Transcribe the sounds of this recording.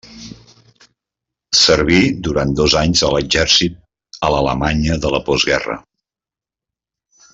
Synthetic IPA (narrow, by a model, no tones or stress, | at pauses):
səɾβid̪uɾan̚d̪ɔzaɲzələʒɛɾsit̪̚ | ələləmaɲəðələpɔzɣɛrə̰